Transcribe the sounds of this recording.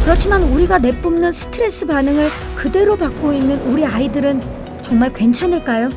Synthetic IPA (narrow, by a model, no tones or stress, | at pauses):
kɯɾʌt͡ɕʰimanuɾiɡane̞p͈umnɯnsʰɯ̥tʰɯɾe̞s͈ɯpanɯŋɯɭ | kɯde̞ɾopak̚k͈oinːɯnuɾiaidɯɾɯn | t͡ɕʌŋmaɭkwe̞nt͡ɕʰanɯɭk͈ajo